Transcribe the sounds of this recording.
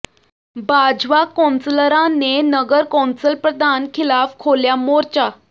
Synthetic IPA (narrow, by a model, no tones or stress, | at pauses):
bad͡ʑʋakɔ̃nsləɾãnːenəɡəɾkɔ̃nsəlpɾəd̪ʱankʰilafkʰoljamoɾt͡ɕa